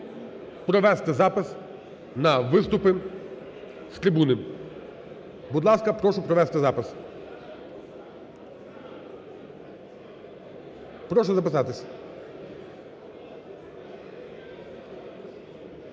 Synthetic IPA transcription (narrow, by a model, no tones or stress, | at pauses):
pɾɔʋɛst̪ɛzɑpɪs | nɐʋɪst̪ʊpɪ | st̪ɾʲɪbunɪ | bud̪lˠɑskɐpɾɔʃʊpɾɔʋɛst̪ɪzɑpɪs | pɾɔʃ̬ɔzɐpɪsɑt̪ɪsʲ